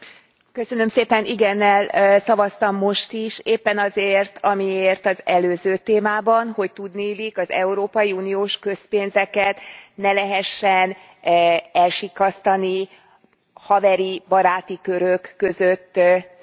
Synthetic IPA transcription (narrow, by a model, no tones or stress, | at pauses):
kø̞sø̞nø̞mseːpɛniɡɛnːɛlsɒvɒst̪ɒmːo̞ʃt̪iʃeːpːɛnɒzeːrt̪ʰɒmieːrt̪ɒzɛløːzøːt̪eːmaːbɒnho̞ct̪ud̪nilikɒzɛ̰uɾoːpɒjiuːnijoːʃkø̞speːnzɛkɛt̪nɛlɛɦɛʃːɛn | ɛlʃikːɒst̪ɒni | hɒvɛɾibɒɾaːt̪ikø̞ɾøkːø̞zøt̪ː